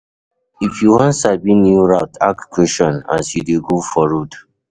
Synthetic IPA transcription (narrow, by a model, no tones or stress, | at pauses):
ifjuwɔ̃nsabĩnjuɹawtʰa̰k̚kʰwɛʃɔ̃na̰sjudeɡofɔɹud